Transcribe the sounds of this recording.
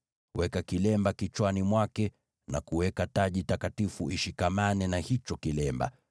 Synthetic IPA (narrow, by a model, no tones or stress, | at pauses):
wɛkakilɛmbakit͡ʃwanimwakɛ | na̰kuwɛkataʄitakatifuiʃikamanɛnahit͡ʃɔkilɛmba̰